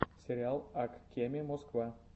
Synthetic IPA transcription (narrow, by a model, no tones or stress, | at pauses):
sʲeɾʲɪalˠakkʲːemʲɪmoskva